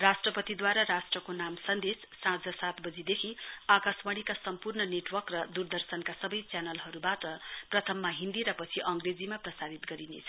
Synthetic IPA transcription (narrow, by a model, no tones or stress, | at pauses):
rasʈrʌpʌt̪id̪waɾaɾasʈrʌkonamsʌnd̪esːãd͡zʌsat̪bʌd͡zid̪ekʰiakasbʌɽ̃ikasʌmpurnʌneʈwʌkrʌd̪urd̪ʌrsʌnkasʌbʌjt͡sjanʌlɦʌɾubaʈʌprʌt̪ʰʌmːaɦind̪iɾʌpʌt͡sʰiʔʌŋɡred͡zimaprʌsaɾit̪ɡʌɾinḛt͡sʰʌ